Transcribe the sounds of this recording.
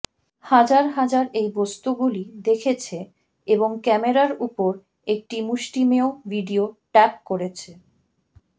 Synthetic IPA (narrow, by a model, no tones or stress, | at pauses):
had͡ʑaɾɦad͡ʑaɾejbost̪uɡulid̪ekʰet͡ɕʰe | eboŋkɛmeɾaɾupoɾ | ek̚ʈimuʃʈimeovʱiɖioʈɛp̚koɾet͡ɕʰe